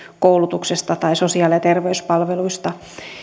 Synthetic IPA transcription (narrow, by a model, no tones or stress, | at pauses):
koulut̪uksest̪ɑt̪ɑisosiɑliɑt̪erʋeyspɑlʋeluist̪ɑ